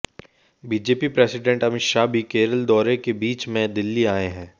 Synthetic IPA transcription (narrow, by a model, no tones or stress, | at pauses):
biːd͡ʒeːpipɾeːsɪɖẽɳʈɐmɪt̪ʃabʱikeːɾəld̪ɔːɾekebiːt͡ʃmẽd̪ɪlːiaːẽɦɛ̃ː